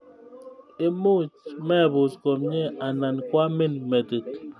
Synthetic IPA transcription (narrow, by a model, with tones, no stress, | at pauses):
e˦mu˦t͡ʃmɛ˦˨bu˨skɔ˨mɲe˦a˨na˨nkwa˦me˦˨nme˨te˨t̚